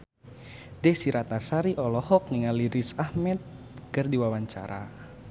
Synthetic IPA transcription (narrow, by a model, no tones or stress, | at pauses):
dɛhsiɾat̪asaɾiʔɔlɔhɔk̚niŋaliɾisahmɛt̪̚ | kərdiwawaɲt͡ʃa̰ɾa̰